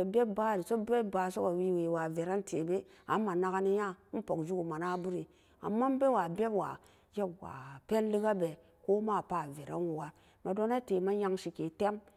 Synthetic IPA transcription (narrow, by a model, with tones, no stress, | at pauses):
o˨be˦b̚ba˦˨ɾi˨so˦be˦ba˨so˦ka˨wi˦we˨wa˨ve˨ɾa˦ntʰe˨be˦a̰˨˦ma˨na˦ɡa˦ni˦ja˦n̩˦po˨kd͡ʒu˦ɡu˨ma˨na˦bu˦ɾi˨ | a̰˨mːa˦m˦be˦wa˨be˦bwa̰˨ | d͡ʒe˦bwa̰˨pe˦n˦li˦ɡa˦be˨ | ko˦ma˦˨pa˨ve˨ɾa̰˦nwu˨ɡa˨ | ma˨do˦na˦te˨ma˦ja˦ŋʃi˨ke˨te˦m